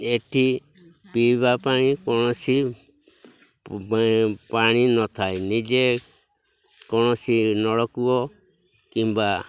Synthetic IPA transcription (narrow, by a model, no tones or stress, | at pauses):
eʈʰi | pibapaɽ̃ikɔɽ̃ɔsi | paɽ̃inɔt̪ʰajnid͡ʒe | kɔɽ̃ɔsinɔɽɔkuɔ | kimba